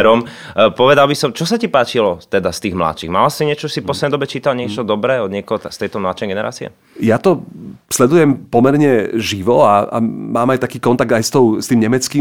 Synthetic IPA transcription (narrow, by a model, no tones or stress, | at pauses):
ɾɔm | pɔʋɛd̪albisɔmt͡ʃɔsacipaːt͡ʃilɔt̪ɛd̪ast̪iːɣmla̰t͡ʃiɣmalasiɲɪɛt͡ʃɔsipɔslɛd̪nɛjd̪ɔbɛt͡ʃiːt̪alɲɪɛt͡ʃɔd̪ɔbɾɛːɔd̪ɲɪɛkɔɦɔt̪st̪ɛjt̪ɔmlat͡ʃɛɡɛnɛɾʔa̰ːt͡siɛ̰ | jat̪ɔslɛd̪ujɛmpɔmɛɾɲɛʒiʋɔaa̰maːmajt̪akiːkɔnt̪aɡ̚d̪ajst̪ɔʊst̪iːmɲɛmɛt͡skiː